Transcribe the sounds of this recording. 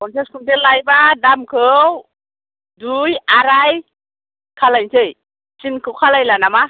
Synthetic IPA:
ɔntʰeskʰundelajbadamkʰɯww | dujaɾaj | kʰalajntʰej | t͡ʃinkʰɯwkʰalajlanama

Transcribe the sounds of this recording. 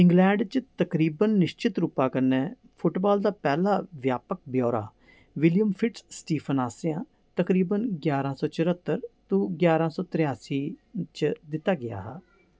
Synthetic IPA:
ɪ̃ŋɡlɛ̃ːɳɖt͡ʃt̪əkɾiːbənːɪʃt͡ʃɪt̪ɾupːãːkəɾnɛː | pʰʊʈbaːld̪aːpɛːlaːʋjaːpək̚bjɔːɾa̰ː | ʋɪljəmpʰɪʈsːʈiːpʰənaːseãː | t̪əkɾiːbənɡjaːɾãːsɔːt͡ʃəɾət̪ːəɾt̪ũːɡjaːɾãːsɔːt̪ɪɾɪjaːsiːt͡ʃd̪ɪt̪ːaːɡɪja̰ːɦɛː

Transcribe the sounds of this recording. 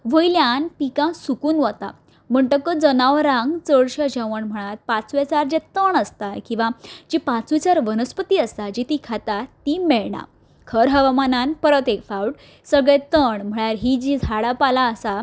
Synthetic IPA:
ʋəjljanpikãsukuːnʋət̪a̰ | m̤əɳʈ̪əkəd͡zənaʋɾãŋɡt͡səɽɕəd͡ʑəʋəɳm̤əɽ̃at̪̚pãt͡sʋet͡saɾd͡ʑɛt̪əɳəst̪akĩw̃ʋad͡ʑipat͡sʋet͡saɾʋənəspət̪iːəst̪ad͡ʑit̪ikʰat̪at̪imeɭɳã̰ | kʰəɾɦəʋamananpəɾət̪ekfawʈ | səɡɭɛt̪əɳm̤əɽ̃aɾɦid͡ʑid͡zʱaɽapalaəsa

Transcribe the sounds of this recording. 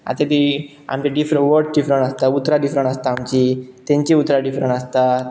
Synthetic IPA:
a̰t̪et̪i | a̰mt͡ɕiɖifɾəʋəɾʈɖifɾəɳʈəst̪aut̪ɾaɖifɾəɳʈəst̪aːmt͡ɕit̪ẽɲt͡ɕiut̪ɾaɖifɾəɳʈəst̪a

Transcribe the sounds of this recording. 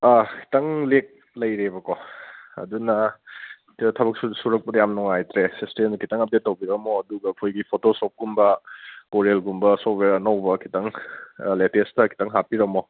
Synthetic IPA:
akʰi̥tɐŋlek̚ | lɐjɾebɐkɔɐ̰dunɐ | tʰɐbɐk̚ssuɾɐk̚pɐdɐjamnɔŋajtɾesistenkʰitaŋɐp̚det̚ːɐwbiɾɐmoɐduɡɐːkʰojɡipʰotosop̚ɡumbɐkoɾelɡumbɐsobeɾɐnɐwbɐkʰi̥tɐŋletestɐkʰi̥taŋɦapiɾɐmɔ

